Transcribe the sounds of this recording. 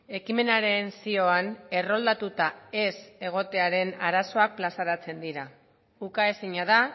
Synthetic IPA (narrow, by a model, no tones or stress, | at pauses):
e̞kime̞naɾe̞nsio̞ane̞ro̞ld̪at̪ut̪ae̞se̞ɣ̞o̞t̪e̞aɾe̞naɾaso̞ak̚plasaɾat͡se̞nd̪iɾa | ukae̞siɲað̞a